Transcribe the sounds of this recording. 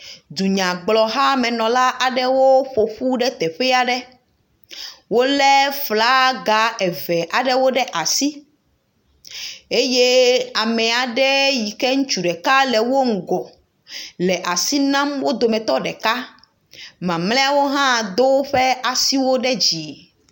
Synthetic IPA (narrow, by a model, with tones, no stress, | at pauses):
d̪u˨ɲã˨ɡ͡blɔ˨ɦa˦mɛ̃˨nɔ̃˨la˦ʔa˨ɖɛ˦wo˦ɸo˨ɸu˦ɖɛ˦t̪ɛ˨ɸɛ˦a˨ɖɛ˦ | wo˦lɛ˦fla˦ɡa˨ɛ˨vɛ˨ʔa˨ɖɛ˦wo˦ɖɛ˦ʔa˨si˦ | e˦je˦a˨mɛ̃˨a˨ɖɛ˦ji˨kɛ˦ŋũ˦t͡ʃu˨ɖɛ˨ka˦lɛ˨wo˦ŋ̩˨ɡɔ˨ | lɛ˨ʔa˨si˦nã˦mwo˦d̪o˨mɛ̃˨t̪ɔ˦ɖɛ˨ka˦ | mã˨mlɛ̃˦a˨wo˦ɦã˦˨d̪o˦ɸɛ˦ʔa˨si˦wo˦ɖɛ˦d͡ʑi˨